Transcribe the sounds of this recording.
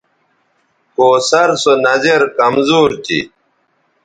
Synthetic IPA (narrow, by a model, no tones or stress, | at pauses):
koːsɐɾsonɐzeɾkɐmzuːɾt̪ḭ